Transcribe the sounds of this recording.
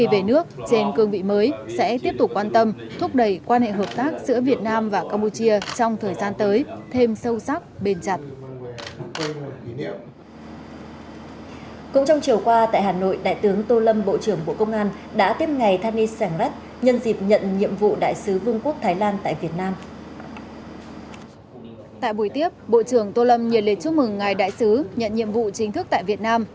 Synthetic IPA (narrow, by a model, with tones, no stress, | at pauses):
i˨˩ve˨˩nɨ˦˥ək̚t͡ɕe˧nkɨ˧əŋvḭ˧˨məː˨˦jsɛ̰˧˥t̪i˦˥əp̚t̪ʊ˨˩k͡p̚kːwaː˧nt̪ə˧m | t̪ʰʊ˦˥k͡p̚ɗə˧˩jkwaː˧nhḛ˧˨ɦəː˨˩p̚t̪aː˦˥k̚zɨ̰˧˥əvi˨˩ət̚naː˧mvaː˨˩kaː˧mpu˧t͡ɕi˧ət͡ɕɔ˧wŋ͡mt̪ʰəː˨˩jzaː˧nt̪əː˨˦jt̪ʰe˧msə˧wsa˦˥k̚ɓe˧˩nt͡ɕa˨˩jt̚ | kʊ̰˧˥ŋ͡mt͡ɕɔ˧wŋ͡mt͡ɕi˨˩əwkwaː˧t̪a̰ː˧˨jɦaː˨˩no̰˧˨jɗa̰ː˧˨jt̪ɨ˨˦əŋt̪o˧lə˧mɓo̰˧˨t͡ɕɨ˧˩əŋɓo̰˧˨kə˧wŋ͡mʔaː˧n | ɗa̰ː˧˥t̪i˦˥əp̚ŋa˨˩jt̪ʰaː˧ni˧saː˧˩ŋza˦˥t̚ | ɲə˧nzi˨˩p̚ɲə̰˧˨nɲḭ˧˨əmvṵ˧˨ɗa̰ː˧˨jsɨ˨˦vɨ˧əŋku˦˥ək̚t̪ʰaː˨˦jlaː˧nt̪a̰ː˧˨jvi˨˩ət̚naː˧m | t̪a̰ː˧˨jɓu˧˩jt̪i˦˥əp̚ɓo̰˧˨t͡ɕɨ˧˩əŋt̪o˧lə˧mɲi˨˩əle˨˩t͡ɕu˦˥k̚mɨ˨˩ŋːaː˨˩jɗa̰ː˧˨jsɨ˨˦ɲə̰˧˨nɲḭ˧˨əmvṵ˧˨t͡ɕï˨˦ŋt̪ʰɨ˦˥k̪̚a̰ː˧˨jvi˨˩ət̚naː˧m